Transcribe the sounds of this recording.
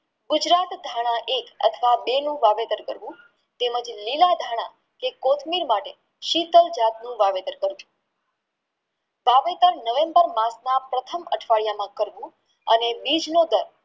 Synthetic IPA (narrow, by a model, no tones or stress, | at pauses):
ɡʊd͡ʒɾat̪d̪ʱaɽ̃ãʔekə̰t̪ʰəʋabenũʋaʋet̪əɾkəɾʋũ | t̪eməd͡ʒlilad̪ʱaɽ̃ã | kekot̪ʰmiɾmaʈe | ʃit̪əld͡ʒat̪̚nũʋaʋet̪əɾkəɾd͡ʒũ̥ | ʋaʋet̪əɾnəʋembəɾmãsnapɾət̪ʰəməʈʰʋaɭijamãkəɾʋũ | ə̰nebid͡ʒnod̪əɾ